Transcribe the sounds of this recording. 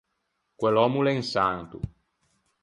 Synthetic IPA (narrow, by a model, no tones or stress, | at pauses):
kwelɔmuleŋsant̪ṵ